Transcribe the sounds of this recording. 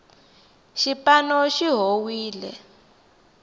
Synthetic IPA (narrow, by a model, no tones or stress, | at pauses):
ʃipanɔʃiɦowiːlɛ̰